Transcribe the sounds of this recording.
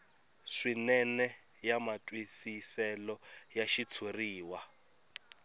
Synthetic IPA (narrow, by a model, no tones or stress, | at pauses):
ʂinɛnɛ | jamatʼwisisɛlɔjaʃit͡sʰuriːwa